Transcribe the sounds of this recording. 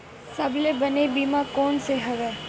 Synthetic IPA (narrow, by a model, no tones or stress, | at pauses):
səblebənebimãkoːnseɦəʋeː